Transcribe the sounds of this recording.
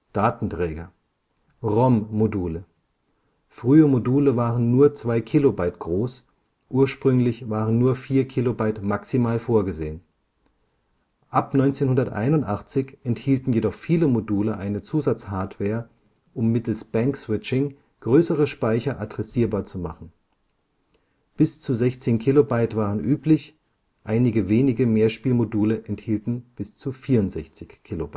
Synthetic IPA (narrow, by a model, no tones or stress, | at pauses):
d̥aːtn̩tʁ̥ɛːɡɐ | ʁɔmːoduːlə | fʁ̥yːəmoduːləvaːʁənːuːɐt͡sv̥aɪkʰilobaɪtɡ̥ʁoːs | ʔuːɐʃpʁ̥ʏŋlɪçv̥aːʁənːuːɐfiːɐkʰilobaɪtmaksimaːlfoːɐɡəzḛːən | ʔapnɔʏnt͡seːnhʊndɐtʔa̰ɪnʊntʔaχt͡sɪçʔɛnthiːltn̩jedɔχfiːləmoduːləʔaɪnət͡suːzat͡shaɐtv̥ɛːɐ | ʔʊmːɪtl̩sb̥ɛŋksw̥ɪt͡ʃɪŋ | ɡ̥ʁøːsəʁ̞əʃpaɪçɐʔadʁɛsiːɐbaːɐt͡suma̰χn̩ | b̥ɪst͡suzɛçt͡seːnkʰilobaɪtv̥aːʁənʔyːplɪç | ʔaɪnɪɡəveːnɪɡəmeːɐʃpiːlmoduːləʔɛnthiːltn̩b̥ɪst͡sufiːɐʊntz̥ɛçt͡sɪçkʰːilobaɪ